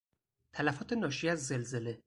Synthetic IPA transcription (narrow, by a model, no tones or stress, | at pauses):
t̪ʰælæfɒːt̪ʰe̞nɒːʃiæzːe̞lze̞le̞